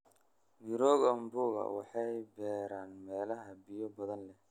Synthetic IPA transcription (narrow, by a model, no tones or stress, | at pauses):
niɾɔːɣɐmbʊːɣɐ̰wɑħɑjbɛːɾaːnmɛːlɐɦɐbɪjɔbɐðɐnlɛ